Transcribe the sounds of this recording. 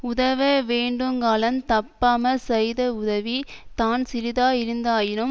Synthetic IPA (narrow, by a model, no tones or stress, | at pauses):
ʊðɐʋɐʋeːɳɖɯmkaːlɐnt̪ɐpːaːmɐsɛjðɐʊðɐʋit̪aːnsɪɾɪðaːɪɾɯnd̪aːjɪnɯm